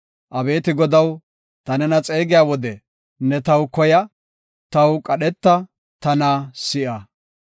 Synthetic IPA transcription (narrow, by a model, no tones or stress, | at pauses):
ʔɐbe̞ːt̪ɪɡɔd̪ɐw | t̪ɐnɛnɐt͡sʼe̞ːɡɪjaːwɔd̪ɛ | nːɛt̪ɐwkɔjɐ | t̪ɐwkʼɐɗɛt̪ːɐ | t̪ɐnaːsɪʔɐ